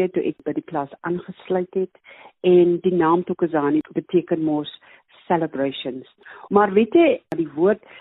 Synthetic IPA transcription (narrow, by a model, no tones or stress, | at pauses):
ətuʔɛkbədiklɐsɑːnχəslœɥtɦɛtɛndinɑːmtukəsɑːnibətʰiəkənmɔs | sɛləbrəjʃəns | mɐrvetɛɐdivuərt